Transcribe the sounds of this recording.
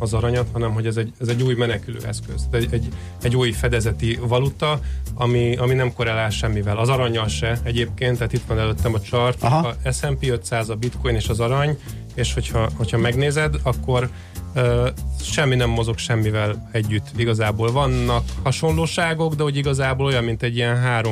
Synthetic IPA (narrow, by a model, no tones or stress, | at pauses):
ɒzɒɾɒɲɒt̪hɒnɛmɦo̞ɟɛzɛɟɛzɛɟːuːjmɛnɛkylø̰ːɛskøz̥t̪t̪ɛɛɟː | ɛɟːuːjfɛd̪ɛzɛt̪ivɒlut̪ɒɒmiɒminɛmko̞ɾɛlaːlʃɛmːivɛlɒzɒɾɒɲːɒlʃɛɛɟeːp̚keːnt̪ːaːt̪it̪ʋɒnɛløt̪ːɛmɒt͡ʃɒrt̪ɒɛsɛmpiːøt̪saːzɒbit̪ko̞jneːʃɒzɒɾɒɲ | eːʃho̞chɒho̞cʰhɒmɛɡneːzɛd̪ɒkːo̞r | øːʃɛmːinɛmːo̞zo̞kʃɛmːivɛlɛɟːyt̪ːiɡɒzaːboːlvɒnːɒkhɒʃo̞nloːʃaːɡo̞ɡd̪ɛoɟiɡɒzaːboːlo̞jɒmmint̪ɛɟːijɛnɦaːɾo